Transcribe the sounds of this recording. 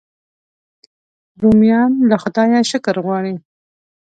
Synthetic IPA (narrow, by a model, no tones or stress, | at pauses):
ɾumijɑnlaxʊd̪ɑjaʃʊkaɾɣwɑɽi